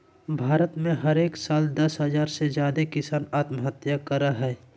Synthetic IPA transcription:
bʱaːɾət̪mẽɦɐɾeːksaːld̪ɐsɦəzaːɾsezjaːd̪ekɪsaːnaːt̪məɦət̪jakɐɾaɦɛː

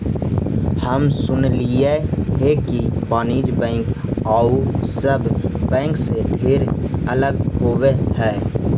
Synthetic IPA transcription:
həmsʊnlieɦekipaːniːd͡ʒbɛ̃ːŋkaːusəbbɛ̃ːŋkseɖʰʱeːɾələɡɦowehɛː

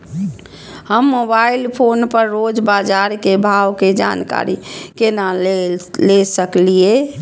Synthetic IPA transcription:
həmːobailpʰonpəɾːod͡ʒbad͡ʒaɾkebʱawked͡ʒa̰nka̰ɾikena | lesəklie

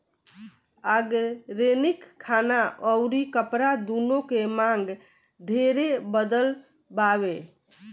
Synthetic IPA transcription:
aɡɾenikʰːanaəʊɾikəpɾad̪unõkemaŋɡ | ɖʱeɾebəd̪əl | baβe

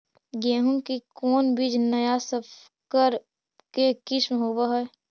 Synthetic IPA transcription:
ɡẽːɦũŋkikɔːnbiːd͡ʒnəjasəp | kəɾ | kekɪsmɦoːbaɦɛ

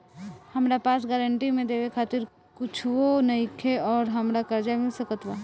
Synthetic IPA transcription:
hɐmɾapaːsɡɛːɾəɳʈimẽd̪eːʋekʰaːt̪ɪɾ | kʊt͡ʃʰʋonɐikʰeɔːɾɦɐmɾakɐɾd͡ʒamɪlsəkət̪ʋaː

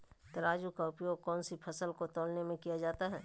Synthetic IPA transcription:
t̪ɐɾaːd͡ʒukaʊpjoːɡ̚kɔːnsipʰɐsəlkot̪oːlnemẽkijad͡ʒaːt̪aɦɛː

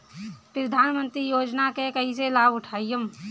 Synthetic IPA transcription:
pɾəd̪ʱaːnmə̃nt̪ɾijoːd͡ʒnakekəɦiselaːbʊʈʰaːijəm

